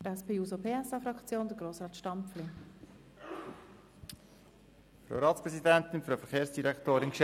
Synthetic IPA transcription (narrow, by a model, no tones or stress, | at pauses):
əɛspʰeːuːsopʰeːɛsɑfɾɑkt͡sjoːnd̥̪əɡɾoːsrɑːt̪ʃtɑmpfli | fɾo̰wɾɑːt̪spɾɛsidɛnt̪ɪnfɾofəχeːɾsd̥iɾɛkt̪oːɾɪnkʃ